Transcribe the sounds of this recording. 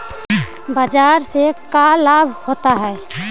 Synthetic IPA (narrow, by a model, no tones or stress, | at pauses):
bəd͡ʒaːɾsekalaːbʱhoːt̪aɦɛː